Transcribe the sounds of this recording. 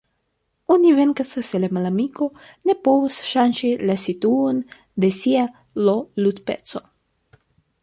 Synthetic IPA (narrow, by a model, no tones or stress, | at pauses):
ɔnivɛnkasəsɛlɛmalamiko | nɛpowsʃanʃilasit̪un | d̪esia | lolut̪pɛ̰t̪so